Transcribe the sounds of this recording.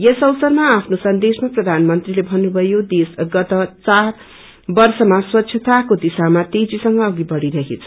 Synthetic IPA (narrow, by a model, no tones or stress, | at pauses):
jʌsʌwsʌrmaːpʰnosʌnd̪esmaprʌd̪ʱanmʌnt̪rilebʱʌnːubʱʌjod̪esɡʌt̪ʌt͡sar | bʌrsʌmaswʌtːsʰjʌt̪akod̪isamat̪ejd͡zisʌŋɡʌːɡibʌɽiɾʌɦet͡sʰʌ̥